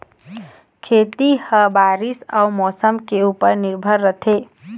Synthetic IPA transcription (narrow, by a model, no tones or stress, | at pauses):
kʰet̪ihəbaɾisa̰umɔsəmkeupəɾniɾbʱəɾːət̪ʰe